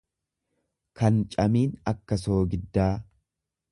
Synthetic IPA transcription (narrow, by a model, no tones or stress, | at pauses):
kɐnt͡ʃʼɐmiːnɐkːɐso̞ːɡɪd̪ːaː